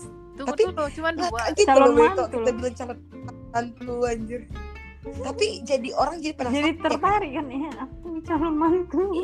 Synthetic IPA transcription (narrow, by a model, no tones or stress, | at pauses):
apilakak̪itabt̪ukit̪abilaŋt͡ʃalɔt̪̚ | ant̪uaɲd͡ʒʊr | t̪apid͡ʒadiʔoɾaŋd͡ʒadipadad͡ʒadit̪ərb̪aɾikanjaaput͡ʃaləmant̪u